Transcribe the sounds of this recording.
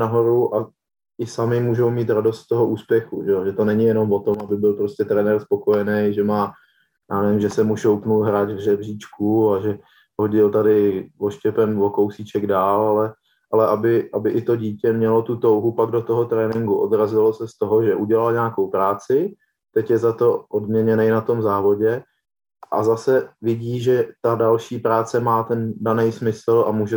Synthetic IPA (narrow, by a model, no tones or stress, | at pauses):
naɦo̞ɾuʔa | ʔɪsamɪmuːʒo̞wmiːt̪ɾado̞st̪t̪ːoɦoʔuːspjɛxuʒɛoʒɛt̪o̞nɛɲɪjɛno̞mvo̞t̪o̞mabɪbɪlpɾoscɛt̪ɾɛnɛrspo̞ko̞jɛnɛjʒɛmaː | jaːnɛvɪmʒɛsɛmuʃowpnulɦɾaːd͡ʒvrɛbriːt͡ʃkuaʒɛ | ho̞ɟɪlt̪adɪvo̞ʃcɛpɛnvo̞kowsit͡ʃɛɡdaːlalɛ | ʔalɛʔabɪʔabɪʔɪt̪o̞ɟiːcɛmɲɛlo̞t̪ut̪o̞wɦupaɡ̚do̞t̪oɦot̪ɾɛːnɪŋɡuʔo̞̰dɾazɪlosɛst̪o̞ɦoʒɛʔuɟɛlalɲaːkowpɾaːt͡sɪ | t̪ɛcjɛzat̪o̞ʔodmɲɛɲɛnɛjnat̪o̞mzaːvo̞ɟɛ | ʔa̰zasɛvɪɟiːʒɛt̪adalʃiːpɾaːt͡sɛmaːt̪ɛndanɛjsmɪsl̩a̰muːʒɛ